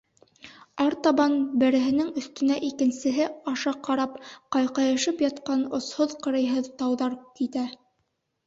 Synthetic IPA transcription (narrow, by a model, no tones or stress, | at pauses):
ɑɾt̪ɑβɑnbɘ̆ɾɘ̆ɦɘ̆nɘŋɵ̆θt̪ɵ̆næʔikɘ̆nsɘ̆ɦɘɑʃɑqɑɾɑpqɑjqɑjɤ̆ʃɤpjɑt̪qɑnŏshoðqɤ̆ɾɤ̆jɦɤðt̪ɑwðɑɾkit̪æ